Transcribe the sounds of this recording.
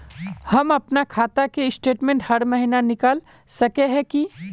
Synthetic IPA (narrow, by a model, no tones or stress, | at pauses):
hɐmɐpnakʰaːt̪akeɪsʈeːʈmẽːɳʈhɐɾməɦinanɪkaːl | sɐkeɦɛ̃ki